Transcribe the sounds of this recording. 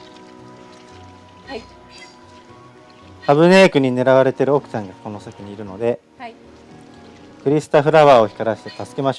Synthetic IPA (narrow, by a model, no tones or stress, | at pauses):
haβɯ̟ne̞ːkɯ̟ɲ̟ine̞ɾaβ̞aɾe̞t̪e̞ɾɯ̟o̞kɯ̟̥sãŋɡako̞no̞sakɯ̟ɲ̟iːɾɯ̟no̞d̪e̞ | kɯ̟ɾʲisɨ̥t̪aɸɯ̟ɾaβaːo̞çi̥kaɾaɕi̥t̪e̞t̪asɨ̥kemaɕo